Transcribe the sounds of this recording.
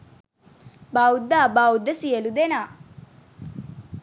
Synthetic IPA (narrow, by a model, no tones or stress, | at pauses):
baud̪ːaːbaud̪ːəsijelud̪enaː